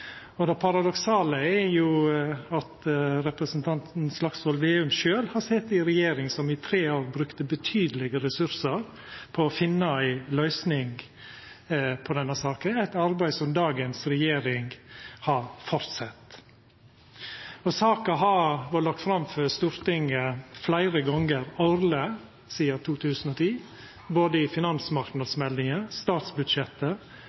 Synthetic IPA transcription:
ɔd̪ɛpʰɑɾɑd̪ɔksɑːləɛɾjʊɑt̪ɾɛpɾəsənt̪ʰɑnt̪n̩slɑksʋɔlʋeːʉmʃøːlhɑsɛt̪ːɪɾɛjeːɾɪŋsɔmɪt̪ʰɾeːoːɾbɾʉkt̪əbət̪ʰyːd̪əlɪɡəɾɛsʉɾsəɾ | pʰɔːfɪnːɑæɪlœʏsnɪŋ | pʰɔd̪ɛnːəsɑːkənæɪt̪ɑɾbæɪsɔmd̪ɑːɡənsɾɛjeːɾɪŋhɑɾfɔɾt̪sɛt̪ː | ɔsɑːkɑɦɑːʋɑɭɑk̚t̪fɾɑmfœɾst̪uːɾt̪ɪŋəflæɪɾəɡɔŋəɾɑʊɾlə | siːəɾt̪ʰuːt̪ʰʉːsən̩ɔt̪ʰiː | boːd̪əɪfɪnɑnsmɑɾk̪nɑd̪smɛld̪ɪŋəst̪ɑːt̪sbʉd̪ʃɛt̪ːə

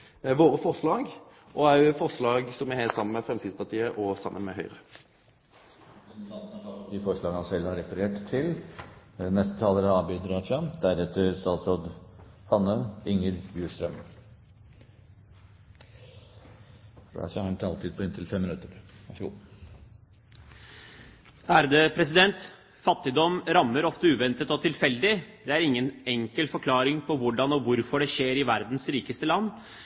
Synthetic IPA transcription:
ʋoːɾəfɔʁslɑːɡ | ʔɔæfɔɾslɑːɡsɔmɪheːsɑmːənmɛfɾɛmsiːd̪spɑt̪ʰiːəʔɔsɑ̰mːənmɛɦœʏʁə | ɪt̪ʰɑlɑt̪ʰɑld̪ɪfɔɾʂɭɑːɡənɑnsɛlhɑɾɛfəɾeːʈt̪ʰːɪl | nɛst̪ət̪ʰɑːləɾɑɑːbʏd̪ɾɑːʂɑnd̪æɾɛt̪ʰːəɾst̪ɑːsɾoːd̪ | hɑnːəɪŋːəɾbjuːʂt̪ɾœm | ɑ̰sɑhɑnt̪ʰɑlt̪id̪pɔɪnt̪ʰɪlfɛmːɪnʉt̪əɾʋæʂəɡṵː | æɾd̪ɛːpʰɾɛs̬ɪd̪ɛnt̪ | fɑt̪ːɪd̪ɔmɾɑmːəɾɔft̪əʉːʋɛnt̪ət̪ɔt̪ʰɪlfɛld̪ɪd̪̥ɛæɾɪŋːənɛŋkəlfɔɾkʰlɑːɾɪŋpʰɔʋʊɖɑnɔʋʊɾfɔɖɛʂeːɾɪʋæɾd̪n̩sɾiːkəst̪əlɑnː

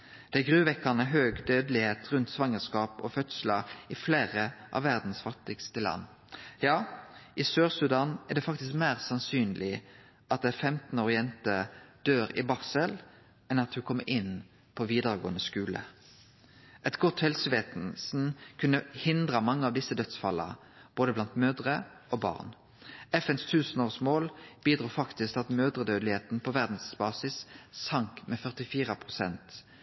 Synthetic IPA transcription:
d̪̥ɛæɡʁʉːʋɛkːənəɦøːɡd̪øːd̪lɪheːt̪ʁʉnt̪sʋɑŋəskɑːpɔfœt̪sləɪfleːʁəʔɑ̰ʋːæʁd̪n̩sfɑt̪ɪɡst̪əlɑ̰nː | jɑːʔɪsøːʁsʉd̪ɑːnɛʁd̪ɛːfɑk̚t̪ɪskmæːʁsɑnsyːnlɪ | ʔɑt̪̚d̪ɛfɛmt̪n̩oːʁɪɛnt̪əd̪̥øːɾɪ̰bɑʁsəl | ɛnɑt̪hʉkʰɔmːəɾʔɪn | pʰoʋiːd̪əʁəɡo̰ːənəskʉːlə̰ | ʔɛt̪ɡɔt̪hɛlsəʋeːt̪nsn̩kʰʉnːəhɪnd̪ʁəmɑŋːəɑʋd̪ɪsːəd̪œt̪sfɑlːə̰ | b̥oːd̪əblɑnt̪møːd̪ʁə | ʔoːbɑ̰ːʁn | ɛfɛnst̪ʰʉːsənoːʁsmoːlb̥iːd̪ɾʁuːfɑkt̪ɪskɑt̪møːd̪ʁəd̪øːd̪lɪheːt̪n̩pʰɔʋæʁd̪n̩sbɑːsɪsːɑŋkmɛːfœʁt̪ɪfiːʁəpʰʁʊsɛnt̪

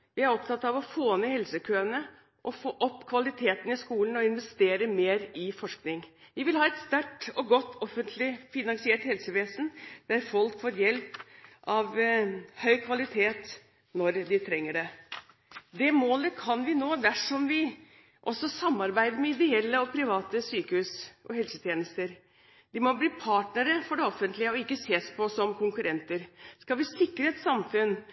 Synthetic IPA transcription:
ʋɪæɾɔpt̪ʰɑt̪ːɑʋɔfoːnəhɛlsəkʰøːənə | ʔɔfoːʔɔpːkʰʋɑlɪt̪ʰeːt̪ən̩ɪskuːln̩ɔɪnʋɛst̪eːɾəmeːɾɪfɔʂknɪŋʋɪʋɪlhɑːɛt̪st̪æʈɔɡɔt̪ːɔfənt̪ʰlɪfɪnɑŋsɪɛːʈhɛlsəʋeːsən̩d̪̥æɾfɔlkfoːɾjɛlpʔɑʋhœʏkʰʋɑlɪt̪ʰeːt̪ | nɔɾd̪ɪt̪ʰɾɛŋːəɖɛ | d̪ɛmoːləkʰɑnʋɪnoːd̪æʂɔmʋɪ | ʔɔsːɔsɑmːɑɾbæɪd̪əɾmɛɪd̪ɪɛlːəɔpʰɾɪʋɑːt̪əsyːkəhʉːsʔɔ̰hɛlsət̪ʰjeːnəst̪əɾ | d̪ɪmɔbliːpʰɑːʈnəɾəfɔɖɛɔfənt̪lɪəɔɪkːəseːspʰɔsɔmkʰʊŋkʉɾɛnt̪əɾskɑlʋɪsɪkːɾəɛt̪sɑmfʉn

